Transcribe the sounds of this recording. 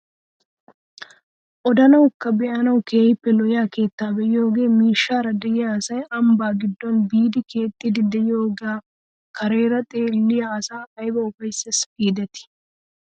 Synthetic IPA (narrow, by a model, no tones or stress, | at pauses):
ʔɔd̪ɐnɐwkːɐbɛʔɐnɐwkeːjɪpːɛlɔjaːke̞ːt̪ːaːbɛjɪjo̞ːɡe̞ːmiːʃːaːɾɐd̪ɛjɪjaːsɐjɐmbaːɡɪd̪ːɔnbiːd̪ɪkʰe̞ːt̪ʼːɪd̪ɪd̪ɛjɪjoːɡaː | kɐɾe̞ːɾɐt̪ʼe̞ːlːɪjaːsaːkɐjbɐʊfɐjsːɐspiːd̪ɛt̪ɪ̥